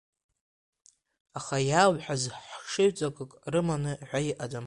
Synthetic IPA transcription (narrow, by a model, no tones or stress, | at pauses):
aχajawħazħʂɨʕt͡sʼakʼɨkʼrɨmanɨʕʷajʔadam